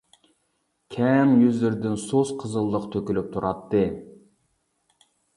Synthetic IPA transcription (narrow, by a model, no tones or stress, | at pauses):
kʲʰɛnjyzlɪɾd̪ɪnsosqʰəzɨlˠːəqt̪ʰøkʲylyp̚t̪ʰuɾʔɑt̪ʰːɨ